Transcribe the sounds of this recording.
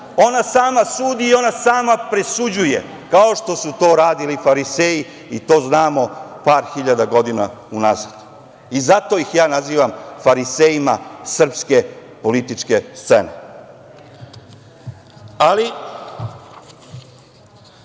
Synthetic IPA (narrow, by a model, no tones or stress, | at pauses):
o̞nasaːmasuːd̪iːo̞nasaːmapɾesud͡ʑuje̞̰ | kao̞ʃt̪o̞sut̪o̞ːɾaːd̪ilifaɾiseːji | it̪o̞ːznaːmo̞paːɾxiʎad̪aɡo̞d̪ina̰unazad̪̥ | izat̪o̞ixjaːnaziːʋamfaɾiseːjimasr̩pske̞po̞lit̪it͡ʃke̞st̪sḛne | ali